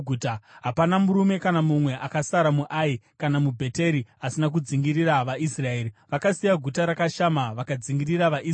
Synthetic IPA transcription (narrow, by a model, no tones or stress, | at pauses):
utaɦapanamuɾume̞kanamumwe̞ʔakasaɾamuʔaikanamubʱe̞te̞ɾiasinak̬ud͡ziŋɡiriɾaʋaʔisrae̞ːɾiʋakasijaɡʱutaɾakaʃamaʋakad͡ziŋɡiriraʋaʔi